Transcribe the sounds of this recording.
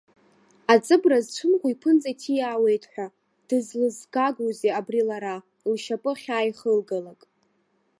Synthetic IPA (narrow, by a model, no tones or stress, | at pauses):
at͡sʼɨbrazt͡ʃʷʰʊnχʷuipʰɨnt͡sʼatʰijaːwe̞jtʼħʷᶣa | d̥ɨzlɨzɡaɡuzeabrilaɾa | lʃapʼɨχʲaːjχəlɡalakʼ